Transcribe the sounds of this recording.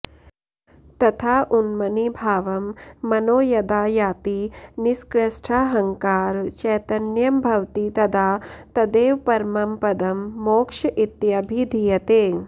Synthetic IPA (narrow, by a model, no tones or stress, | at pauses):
t̪ɐt̪ʰaːʔunmɐnibʱaːʋɐmːɐnoːjɐd̪aːjaːt̪iniskɾɐʃʈʰaːɦɐŋkaːɾt͡ʃɛjt̪ɐnjɐmbʱɐwt̪it̪ɐd̪ʱaːt̪ɐd̪eːʋpɐɾmɐmpɐd̪ɐmːoːkʂɐʔit̪jabʱid̪ʱijɐt̪eː